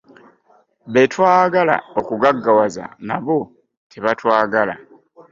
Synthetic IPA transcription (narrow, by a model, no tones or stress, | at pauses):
βe̞twaːɡala̰okuɡaɡːawaza̰naβo̞ | tʰeβatwaːɡala